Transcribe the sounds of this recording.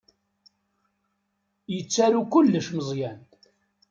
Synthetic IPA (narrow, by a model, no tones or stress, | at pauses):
jət͡sːæɾukʊlːəʃməzˤjæn